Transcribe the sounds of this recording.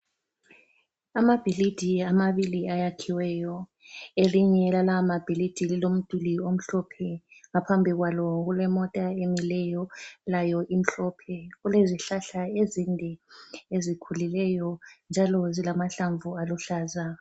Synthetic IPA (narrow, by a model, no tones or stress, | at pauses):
amab̥ʱilid̥ʱiamaβiliajakʰiwɛːjɔ | eliɲɛlalamab̥ʱilid̥ʱililom̩d̥ʱuliom̩ɬɔpʰɛŋapʰambʱiɣwalɔɣulɛmɔtʼaemilɛjɔlajɔʔim̩ɬɔpʰɛɣuleziɬaɬaezindʱɛezikʰulilɛjɔnd͡ʒʱalɔzilamaɬaɱvualuɬaːza